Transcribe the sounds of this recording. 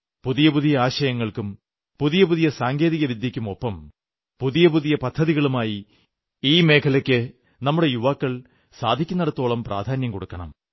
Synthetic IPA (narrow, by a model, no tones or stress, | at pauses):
puðijɐpuðijɐaːɕɐjɐŋːɐɭkum | puðijɐpuðijɐsaːŋɡe̞ːðiɣɐʋid̪jɐkʲːumo̞pːɐm | puðijɐpuðijɐpɐd̪ʰʱːɐðiɣɐɭumaːji | iːme̞ːkʰɐlɐkʲːɨ | nɐmːuɽe̞juʋaːkːɐɭ | sa̰ːd̪ʱikʲːunːɐɽɐt̪ːo̞ːɭɐmpra̰ːd̪ʱaːnjɐmkoɽukːɐɳɐ̰m